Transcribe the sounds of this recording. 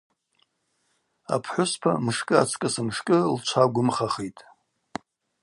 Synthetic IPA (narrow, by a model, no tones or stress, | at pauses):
a̰pʰħʷʊspʰa̰mʂkʼɨa̰t͡sʰkʼɨsɨmʂkʼɨlt͡ʃʷʰaɡʷʊmχaχejtʼ